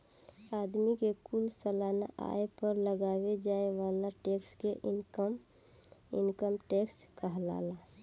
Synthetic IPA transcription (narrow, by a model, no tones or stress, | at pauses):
ad̪mikekulsəlana̰ʔa̰epəɾləɡawed͡ʒaeʋalaʈekskeʔkm | ḭnkəmʈekskəɦla̰la